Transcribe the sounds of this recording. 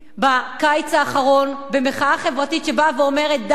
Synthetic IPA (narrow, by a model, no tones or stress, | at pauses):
bakajt͡saːχaʁo̞nbe̞meχaaχevʁatitʃebaveo̞me̞ʁet̪̚d̪